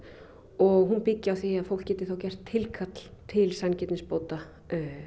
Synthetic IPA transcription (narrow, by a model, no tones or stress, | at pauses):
ɔɣɦunpɪcːɪawθiaðfowl̥kcɛːt̪ɪ̥θowcɛr̥t̪ʰːɪlkʰat̪l̥t̪ʰɪlsancɛt̪nɪspoːwt̪a